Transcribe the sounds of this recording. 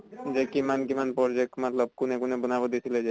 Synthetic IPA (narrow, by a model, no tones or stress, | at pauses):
d͡ʑekimankimanpɔɾd͡ʒek̚ʈmat̪lɔb̚kunekunebunabod̪it̪ʰiled͡ʒe